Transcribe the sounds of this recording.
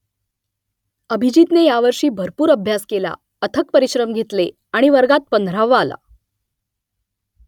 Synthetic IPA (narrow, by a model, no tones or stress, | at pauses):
əbʱid͡ʑit̪nejaʋəɾʂiːbʱəɾpuːɾəbʱjaskela̰ | ət̪ʰək̚pəɾiɕɾəmɡʱet̪le | aɽ̃iʋəɾɡat̪̚pənd̪ʱɾaʋəːla̰